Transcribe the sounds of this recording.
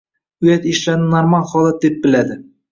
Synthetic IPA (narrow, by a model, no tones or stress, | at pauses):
ʊjat̪ɪʃlaɾnɪnaɾmalˠχɒlˠat̪̚d̪ep̚bɪlad̪ɪ